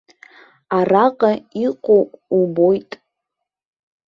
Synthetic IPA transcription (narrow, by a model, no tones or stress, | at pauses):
araqʼaiqʷʼowkʷʼubo̞jtʼ